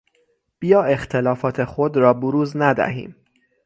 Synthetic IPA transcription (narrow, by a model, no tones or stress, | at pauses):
b̥ijɒːe̞xt̪ʰe̞lɒːfɒːt̪ʰexod̪ɾɒːboɾuːznæd̪æ̰ɦḭːm